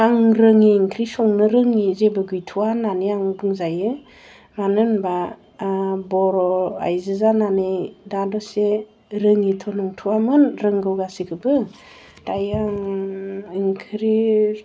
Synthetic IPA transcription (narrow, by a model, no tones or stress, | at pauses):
aŋɾɯŋiːŋkʰɾisɔŋnɯɾɯŋizebɯɡɯjtʰuwananiaŋbɯŋzajɯ | manɯnba | bɔɾɔa̰jzɯzananejdadɔse | ɾɯŋitʰɔnɔŋtʰuwamɯnɾɯŋɡɯwɡasikʰɯbɯ | d̥ajaŋ | iŋkʰɾi